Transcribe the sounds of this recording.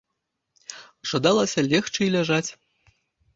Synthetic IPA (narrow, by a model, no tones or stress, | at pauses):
ʐ̥ad̪alˠɐsʲɐlʲɛxt͡ʂɨlʲaʐat͡sʲ